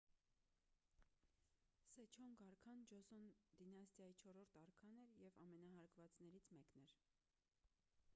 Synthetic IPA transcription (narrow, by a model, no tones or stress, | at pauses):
sɛt͡ʃʰɔŋɡɑɾkʰɑnd͡ʒɔzɔnd̪inɑst̪ʰjɑjit͡ʃʰɔɾɔɾt̪ʰɑɾkʰɑnɛɾjɛvɑmɛnɑɦɑɾkʰvɑt͡snɛɾit͡sʰmɛknɛɾ